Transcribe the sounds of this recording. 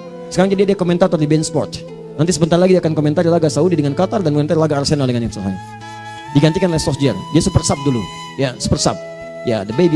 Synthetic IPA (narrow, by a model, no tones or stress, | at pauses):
səkaɾaŋd͡ʒadiadiakomɛnt̪at̪ɔrdibɛnspɔrt̪ | nant̪isəbənt̪arlaɡidiakankomɛnt̪aɾilaɡasaudidəŋankat̪ardanməmɛ̃naɾlaɡaːrsenaldəŋanjɛfsaɦa̰n | diɡant̪ikanlɛhsɔfd͡ʒɛrdiasupərsap̚dulu | jasu̥pərsa̰p̚ | ja̰dəbebi